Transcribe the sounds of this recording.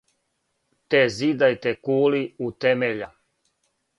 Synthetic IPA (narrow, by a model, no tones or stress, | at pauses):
t̪ezid̪ajt̪ekuːliut̪emeʎa